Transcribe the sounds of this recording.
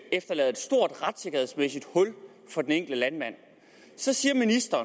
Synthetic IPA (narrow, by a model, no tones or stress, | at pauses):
efd̥ɐlɛːð̩ˠe̝d̥sd̥o̝ɐ̰d̥ʁad̥se̝ɡ̥ɐheðˠsmesid̥hɔ̽l̰ | fɒ̽d̥eneŋ̰ɡ̥ld̥əlænmæn̰ | sɒ̽siːɐminisd̥ɐː